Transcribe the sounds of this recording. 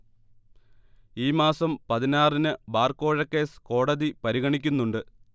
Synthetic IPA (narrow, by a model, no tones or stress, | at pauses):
iːmaːsɐmpɐðinaːrinɨbaːrko̞ːɻɐkːe̞ːsko̞ːɽɐðipɐɾiɣɐɳik̬ʲːunːuɳɖɨ